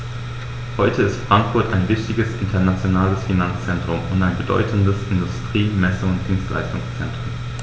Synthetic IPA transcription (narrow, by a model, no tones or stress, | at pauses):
hɔʏtʰəɪstfʁ̥aŋkfʊɐtaɪnvɪçtɪɡəsʔɪntʰɐnat͡sjonaːləsfinant͡st͡sɛntʁ̥ʊmʊntaɪnbədɔ̰ʏtn̩dəsɪndʊstʁ̥iːmɛsʊŋʊnt̚d̥iːnstlʔa̰ɪstʊŋst͡sɛ̰ntʁ̥ʊmʊ